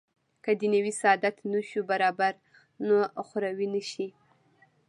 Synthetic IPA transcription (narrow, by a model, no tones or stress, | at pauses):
kad̪ənəwisaɑd̪at̪nəʃubaɾɑbaɾ | noxʊɾawinəʃi